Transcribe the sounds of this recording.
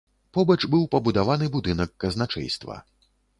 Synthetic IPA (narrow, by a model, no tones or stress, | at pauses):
pɔbɐt͡ʂbɨwpɐbud̪avanɨbud̪ɨnɐkːɐznat͡ʂɛ̰jst̪vɐ̰